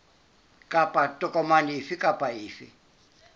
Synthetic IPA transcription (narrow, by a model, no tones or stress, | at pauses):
kʼapʼatʼɔkʼɔmanifikʼapʼaɪːfɪ̰